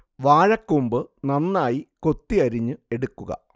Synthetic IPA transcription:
ʋaːɻɐkːumbɨnɐnːaːjiko̞t̪ːiɐɾiɲːɨe̞ɽukːuɣɐ̰

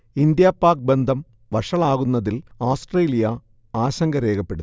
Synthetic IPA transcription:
ind̪jaːpːaːk̚bend̪ʱɐm | ʋɐʂɐɭaːɣunːɐðiloːsʈreːlijɐ | aːɕɐŋɡɐɾe̞ːkɐpːe̞ɽut̪ː

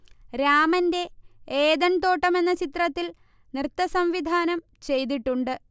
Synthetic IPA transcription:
ɾaːmɐnde̞eːðɐɳt̪o̞ːʈːɐme̞nːɐt͡ɕit̪rɐt̪ːil | nrɨt̪ːɐsɐmʋid̪ʱaːnɐm | t͡ɕe̞jt̪̬iʈːuɳɖɨ

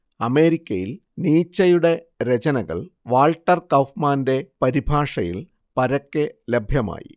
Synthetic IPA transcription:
ɐme̞ːɾikʲːɐjil | niːt͡ɕːɐjuɽe̞ | ɾet͡ɕɐnɐɣɐ̰ɭʋaːlʈːɐrkɐwfmaːnde̞pɐɾibʱaːʂɐjḭl | pɐɾɐkːelebʱjɐma̰ːjḭ

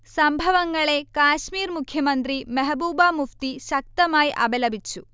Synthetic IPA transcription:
sɐmbʱɐʋɐŋɡɐɭekaːʃmiːɾmukʰjɐmɐnt̪ɾimɐɦbuːbaːmupt̪iʃɐk̚t̪ɐmaːjʔɐ̰belɐbit͡ʃːu

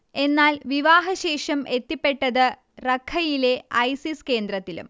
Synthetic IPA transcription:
e̞nːaːlʋiʋaːɦɐɕe̞ːʂɐmʔe̞t̪ːipːe̞ʈːɐðɨ | rɐkʰːɐjile̞ɐjsiske̞ːnd̪rɐt̪ːilṵm

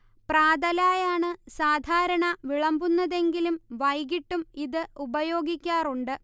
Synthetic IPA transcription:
praːd̪ɐlaːjaːɳɨsaːd̪ʱaːɾɐɳɐʋiɭɐmbunːɐðe̞ŋɡilumʋɐjɡiʈːumiðɨubɐjo̞ːɡikʲːaːruɳɖɨ

